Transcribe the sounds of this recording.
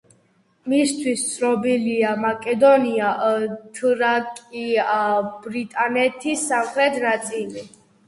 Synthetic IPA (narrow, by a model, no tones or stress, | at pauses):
mist̪ʰwist̪sʰɾɔbiliamakʼɛd̪ɔniaʔt̪ʰɾakʼiabɾit̪ʼanɛt̪ʰisːamχɾɛt̪ʰnat̪sʼili